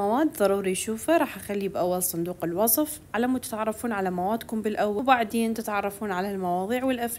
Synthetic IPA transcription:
awaːd̪ðˤɑɾˤuːɾijʃuːfaɾˤɑːħʔaxalːibʔawːalsˤʊnd̪uːqɪlwɑsˤf | ʕalamat̪ɪ̥t̪ʕɑrˤːɑfuːnʕalamawaːd̪kʊmbɪlʔawːabaʕd̪eːnt̪ɪt̪ʕɑrˤːɑfuːnʕalalmɑwɑːðˤiːʕwɪlʔaf

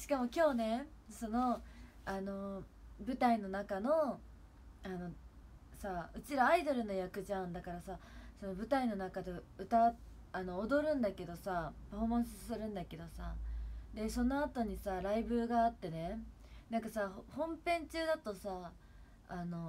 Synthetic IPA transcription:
ɕi̥kamo̞kʲo̞ːne̞so̞no̞ | ano̞ | bɯ̟t̪aino̞nakano̞ | ano̞ | saɯ̟t͡ɕiɾaːid̪o̞ɾɯ̟no̞jakɯ̟ʑãnd̪akaɾasaso̞no̞bɯ̟t̪aino̞nakad̪e̞ɯ̟t̪a | ano̞ːd̪o̞ɾɯ̟̃nd̪ake̞d̪o̞sapaɸo̞mãɰ̃sɨsɨɾɯ̟̃nd̪ake̞d̪o̞sad̪e̞so̞no̞at̪o̞ɲ̟isaɾaibɯ̟ːɡaːt̪ːe̞ne̞ | nãŋkasahhõ̞mpẽ̞ɲ̟t͡ɕɨːd̪at̪o̞saː | no̞

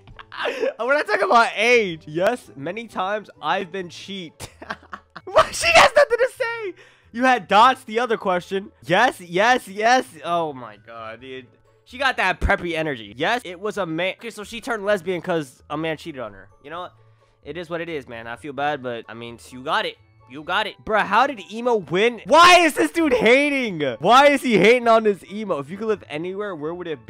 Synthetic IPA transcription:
wə̃naɪtʰɔkŋəbaʊɾeɪd̥jɛsmɛnitʰãɪ̃mzʔaɪvbɨ̃nt͡ʃʰit̚ | wʌʃiɨznʌθɪ̃ŋtɨseɪ | jɨɨdɑtsðiʌðə˞kʰw̥ɛst͡ʃɨ̃njɛsjɛsjɛsoʊma̰ɪɡ̥ɑdɪt̚ | ʃiɡɑt̪̚ðɨt̚pʰɹ̥ɛpiɛnə˞d͡ʒḭjɛsɪt̚wʌzəmæ̃oʊkʰeɪsoʊʃitʰɜ̃˞ndˡlɛzbiɨ̃nkʰʌz | əmæ̃nt͡ʃʰiɾɨɾn̩ə̰˞jɨñoʊwʌ | ʔɨɾɨzwʌɾɨɾɪzmæ̰̃naɪfilˠbæd̚bʌt̚aɪmḭ̃nsjɨɡɑɾɪt̚ | jɨɡɑɾɨt̚b̥ɹʌɦaʊɾɨɾimoʊwɪ̃nwaɪɨzðɪsdud̚heɪɾɪ̃ŋwaɪɨz̥iheɪɾɪ̃ŋə̃nðɪsimoʊɨfjɨkɨdˡlɪvɛ̰niwɛɹwə˞wəɾɨt̚b̥

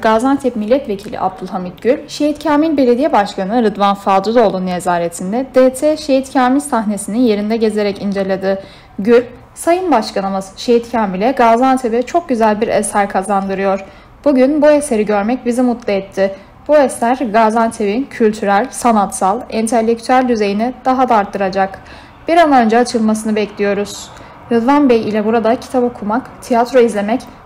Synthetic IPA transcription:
ɡ̥aːzant̪ʰɛpmilʲːɛt̪ve̞cʰilʲḭʔa̰b̚d̪ulˠhamit̪̚ɟ̥ylʲʃejit̪cʰaːmilʲbe̞lʲe̞d̪ijɛbaʃkʰanɯɾɯd̪vanfad̪uzo̞lˠunːezaːɾet̪ʰind̪ɛd̪̥eːt̪ʰɛʃejit̪cʰaːmilsaɦne̞sininje̞ɾind̪ɛɟe̞ze̞ɾɛcind͡ʒe̞lʲed̪ɯ | ɟylʲ | sajɯnbaʃkanɯmɯzʃejit̪cʰaːmilʲɛɡaːzant̪ʰebɛt͡ʃʰo̞k̚ɟyzælʲbiɾḛsæɾkʰazand̪ɯɾɯjo̞ɾ̥ | b̥uɟynbuese̞ɾiɟø̞ɾmɛcbizimut̪lˠaɛt̪ʰːɪ | b̥uesæɾɡaːzant̪ʰevncʰylʲt̪ʰyɾælʲsanat̪salˠint̪ʰælʲːec̚t̪ʰyælʲd̪yze̞jinid̪̥aɦad̪aaɾt̪ʰːɯɾad͡ʒak | b̥iɾanø̞nd͡ʒɛat͡ʃʰɯlˠmasɯnɯbɛclʲijo̞ɾuz̥ | hud̪vanbɛjilʲɛbuɾad̪acʰi̥t̪ʰabokʰumakt̪ʰijat̪ɾo̞izlʲe̞mɛc

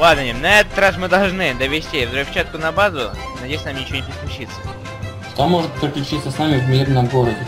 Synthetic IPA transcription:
lˠad̪nənʲɪnɐɛt̪ə̥t̪ɾasmɨd̪ɐlˠʐnɨd̪əvʲɪsʲtʲivzɾʊfʲt͡ɕat̪̚kʊnɐbazʊ | nɐdʲjejsʲɪnamnʲɪt͡ɕɪvonɪpɾɪsklʲʊt͡ɕit̪sə̥ | ʃt̪omːoʐɨt̪̚pɾʲɪklʲʉt͡ɕit̪səsnamʲɪvmʲirnəmɡoɾədʲɪ

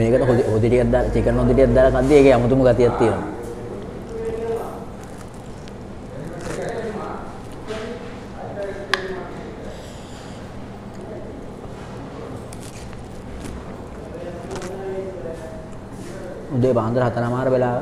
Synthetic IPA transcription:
meːkət̪ɐɦoɦod̪iʈijad̪aːlt͡ʃikənːɦod̪iʈijat̪̚d̪ːaːlak̪ad̪ːjieːkeamut̪umuɡat̪ijat̪ːien | ud̪eːbaːnt̪ɐɾɐɦat̪ɐnaːmaːɾbelaː

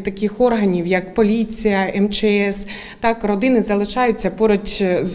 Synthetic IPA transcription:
t̪ɐkɪxɔrɦɐnʲiwjɐkpɔlʲit͡sʲijɐʔɛmt͡ʃɛɛs | t̪ɑkrɔd̪ɪnɪzɐlˠɪʃɑjʊt͡sʲːɐpɔɾɔtʲz

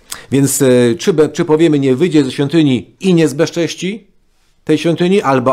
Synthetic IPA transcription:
vʲjɛnt̪st͡ʂɘbt͡ʂɘpɔvʲjɛmɲɛvɘjd͡ʑɛzɛɕʲfʲjɔnt̪ɘɲiiɲɛzbɛʂt͡ʂɛɕt͡ɕi | t̪ɛjɕfʲjɔ̃nt̪ɘɲiʔalbɔ

